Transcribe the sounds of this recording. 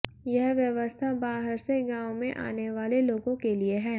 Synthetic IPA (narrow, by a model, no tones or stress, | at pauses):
jɐɦʋjɐʋəst̪ʰabaːɦəɾseɡãːwmẽʔa̰ːneʋaːleloːɡõkelieɦɛː